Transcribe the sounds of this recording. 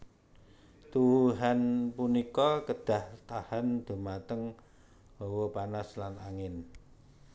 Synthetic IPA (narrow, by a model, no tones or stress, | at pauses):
t̪uwuɦanpunikɔkəd̥a̤ht̪ahand̪̥ṳmat̪əŋ | b̥owɔpanaslanaŋɪn